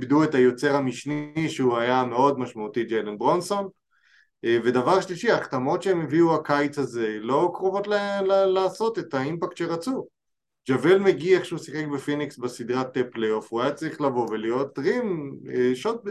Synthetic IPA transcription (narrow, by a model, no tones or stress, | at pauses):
bdue̞tajo̞t͡se̞ʁhamiʃniʃeuajame̞o̞dmaʃmaut̪id͡ʒelenbʁo̞nso̞n | ve̞davaʁʃliʃiaːχt̪amo̞tʃeemeviuakajt͡saze̞lo̞kʁo̞vo̞t̪llalaːso̞tetaimpakt̪ʃeʁat͡su | d͡ʒavelmeɡieχʃeusiχekbefiniksbesid̪ʁat̪ːepleo̞fuajat͡saʁiχlavo̞velijo̞tʁimeʃot̪̚